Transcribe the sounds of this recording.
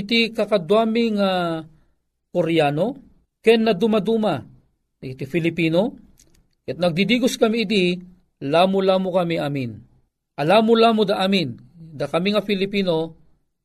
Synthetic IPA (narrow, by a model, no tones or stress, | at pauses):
ɪt̪ikɐkɐd̪wamiŋa | koɾjano | kɛnːɐd̪umad̪uma | ɪt̪ifɪlɪpiːno | ɛt̪̚nɐɡ̚d̪id̪iɡʊskɐmiːd̪i | laːmʊlaːmʊkɐmiʔamin | ɐlamʊlaːmod̪aʔamɪnd̪akɐmiŋafɪlɪpiːno